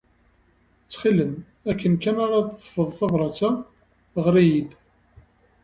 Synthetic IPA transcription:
t͡sːχilən | ækːənkːænaɾɑt̪θˤə̥fəðˤθɑvɾˤɑt͡sa | ʁɾijid̪

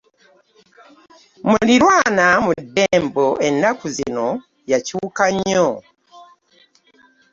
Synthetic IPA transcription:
muliɾwaːnamudeːmboe̞nakuzḭno | jacuːkaɲo

